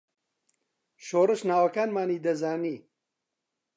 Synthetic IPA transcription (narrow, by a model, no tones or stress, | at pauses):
ʃoːrɨʃnaːwɐkaːnmaːniːd̪ɐzaːniː